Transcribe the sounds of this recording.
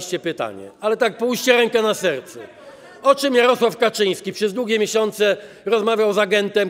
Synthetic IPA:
ɕt͡ɕɛpɘt̪a̰ɲɛ̰alɛt̪ak̚pujɕt͡ɕɛɾɛŋkɛnasɛɾt̪sɛ | ɔt͡ʂɘmjaɾɔswafkat͡ʂɘj̃skʲipʂɛzd̪wuɡʲɛmʲjeɕɔnt̪sɛ | ɾɔzmavʲjawzaɡɛnt̪ɛm

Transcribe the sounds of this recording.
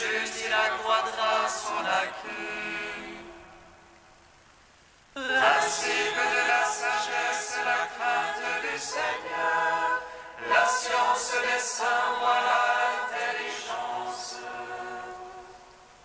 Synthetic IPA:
əzilakχwad̪ʁasɔlakʰø | lɛ̃sibəd̪əlasaʒɛsəlakχɛ̃t̪d̪ysɛɲœʁ | lasjɑ̃sd̪esɛ̃vwalaɛ̃t̪eliʒɑ̃s

